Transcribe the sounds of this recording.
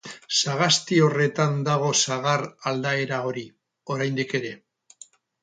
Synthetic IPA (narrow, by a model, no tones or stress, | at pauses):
saɣ̞ast̪io̞re̞t̪and̪aɣ̞o̞saɣarald̪ae̞ɾao̞ɾi | o̞ɾajnd̪ike̞ɾe̞